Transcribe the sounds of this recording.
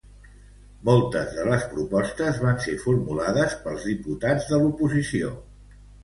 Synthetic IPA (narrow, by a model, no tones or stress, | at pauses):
molˠt̪əzðələspɾupɔst̪əzβansefuɾmulaðəspəlˠzðiput̪ad͡zðəlupuzisio̰